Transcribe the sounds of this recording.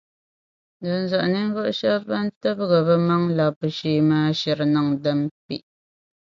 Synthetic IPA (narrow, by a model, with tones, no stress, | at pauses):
dɨ˨n˨za˨ʔni˦ŋ̩˦ɣo˦ʔʃa˦ba˦n˦tɨ˦bɨ˦ɣə˨bɛ˦ma˦ŋla˨pɨ˨ʃiː˨˦maː˦ʃɛ˨ɾnɨ˨ŋdɨ˦mpḭ˦ʔ